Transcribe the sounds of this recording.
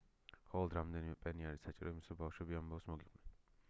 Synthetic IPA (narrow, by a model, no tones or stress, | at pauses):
χɔlɔd̪ɾamd̪ɛnimɛpʼɛniaɾisat͡ʃʼiɾɔimisɛbafʃwɛbiambafsmɔɡiqʼwnɛn